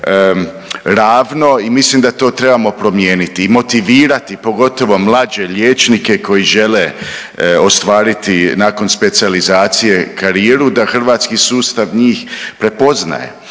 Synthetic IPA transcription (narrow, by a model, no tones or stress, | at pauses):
ə | ɾaːʋno̞imislimd̪at̪o̞ːt̪ɾe̞bamo̞pɾo̞mje̞ːnit̪iːmo̞t̪iʋiːɾat̪ipo̞ɡo̞t̪o̞ʋo̞mlˠad͡ʑe̞ʎjeːt͡ʃnike̞kʰo̞jiʒe̞le̞ | o̞st̪ʋaːɾit̪inaːko̞nspe̞t̪sializaːt̪sije̞kaɾieɾud̪axr̩ʋaːt̪skisuːst̪aʋɲiːxpɾe̞po̞zna̰jḛ